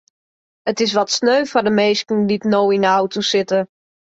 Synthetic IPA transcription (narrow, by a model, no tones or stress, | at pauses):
ətɪs̬ʋɔtsnøɥfɔdəmeːskən̩ditnoːwinəawtʰusɪtə